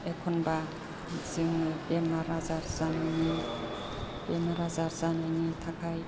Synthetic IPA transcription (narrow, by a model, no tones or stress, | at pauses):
ekʰɔnba | ziŋbemaɾazaɾzanajni | b̥emaɾazaɾzanajnitʰakʰaj